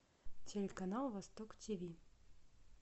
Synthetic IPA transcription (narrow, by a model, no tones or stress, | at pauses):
tʲelʲekɐnalˠvɐst̪oktʲivʲi